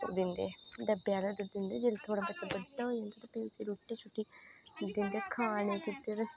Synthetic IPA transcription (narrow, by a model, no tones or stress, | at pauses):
d̪ɪnd̪eːɖəbːjaːlad̪d̪ɪnd̪eːd͡ʒelt̪ʰoːɽãpəːt͡ʃabədaɦoiẽnd̪aːt̪apiut͡ʃiɾuːʈːiːt͡ʃʰʊʈːiːd̪ɪnd̪eːkʰaːnẽːkit̪ːeɾe